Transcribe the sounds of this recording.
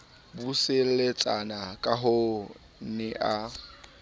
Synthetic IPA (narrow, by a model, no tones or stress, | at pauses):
buselet͡sʼanakʼaɦo | nɪʔa